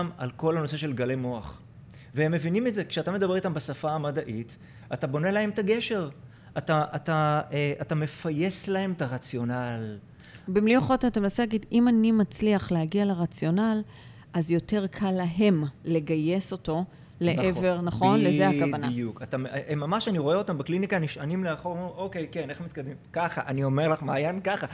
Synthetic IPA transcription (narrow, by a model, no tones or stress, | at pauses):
ma̰lko̞lhano̞se̞ʃe̞lɡalemo̞aχ | veemːe̞vinimetze̞kʃeatamed̪abe̞ʁit̪ambasafaːmadaʔit | atabo̞nelahe̞mt̪aɡe̞ʃe̞ʁ | ataːtaeʔatame̞faje̞slahe̞mtaʁat͡sjo̞nal | bimlioχot̪atemenasilaɡid̪imanimat͡sliaχlehaɡialeʁat͡sjo̞nal | ʔazjo̞te̞ʁkʰalːaɦe̞mle̞ɡaje̞so̞to̞ | le̞ʔnʔeve̞ʁnaχo̞nlezeakavanaukat̪amʔemːamaʃaniʁo̞eo̞t̪ambaklinikaniʃanimleaχoʁʔokejke̞neχmit̪̚kad̪mimkaχaʔaniome̞ʁlaχma̰ːjankaχa